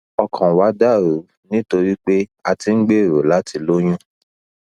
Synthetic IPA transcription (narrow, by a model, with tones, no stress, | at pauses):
ɔ˧kʰã˨wa˨˦da˦˨ɾo˨˦ | nĩ˦to˧ɾi˦k͡pe˦a˧ti˧˦ɡ͡be˦˨ɾo˨˦la˨˦ti˧lo˦j̃ũ˦